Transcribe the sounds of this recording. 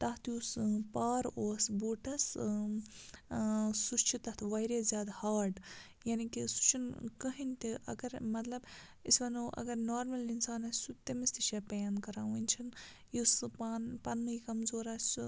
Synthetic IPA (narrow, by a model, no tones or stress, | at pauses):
t̪ɐht̪juspaːɾoːsbuːʈɐs | sust͡ʃʰit̪ɐt̪ʰʋɐjɾezʲjaːd̪haːɾɖ | jaːnikisu̥t͡ʃʰinkɐɦint̪iʔɐ̰ɡɐɾmɐt̪lɐb | isʋɐnuʔɐ̰ɡɐɾnoːɾmɐlinsaːnɐsut̪ːemist̪iʃepɐjaːnkɐɾaːwinʲt͡ʃʰin | juspaːnpɐnmɐikɐmzoːɾaːt͡ʃu